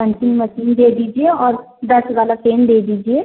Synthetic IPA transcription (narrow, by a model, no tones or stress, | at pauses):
ə̃nt͡ʃɪnməʃiːnd̪eːd̪iːd͡ʒieɔːɾ | d̪əsʋaːlaseːnd̪eːd̪iːd͡ʒie